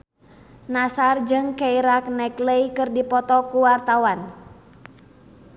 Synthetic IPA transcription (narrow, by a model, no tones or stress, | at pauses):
nasard͡ʒɨŋkɛiɾak̚nɛkləjkɨrdipɔt̪ɔkuwart̪awan